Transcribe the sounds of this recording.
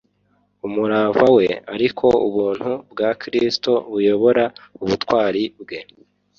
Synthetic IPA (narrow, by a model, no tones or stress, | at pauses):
umuɾaːvawe̞a̰ɾikʰo̞uβuːn̥hubɡaːkɾisto̞βujo̞βo̞ɾauβutwaːɾibɡe̞